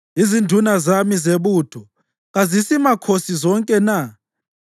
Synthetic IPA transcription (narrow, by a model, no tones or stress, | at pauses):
izindʱunazamizeβuːtʰɔ | ɣazisimakʰosizɔŋkʼɛna